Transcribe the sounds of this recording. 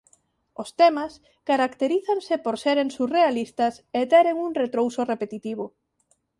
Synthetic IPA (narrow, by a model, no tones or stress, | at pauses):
ost̪ɛmɐs | kaɾakt̪eɾiθansɪpoɾseɾeŋsurealist̪ɐset̪ɛɾeŋuŋret̪ɾowsʊrepet̪it̪iβ̞ʊ